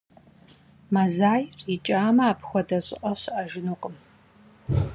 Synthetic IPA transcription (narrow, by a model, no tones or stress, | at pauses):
mazaːjrit͡ʃʼaːmɐaːpʰxʷɔdɐɕʼɪ̰ʔʼɐɕʔɐʒɪnuːqʼəm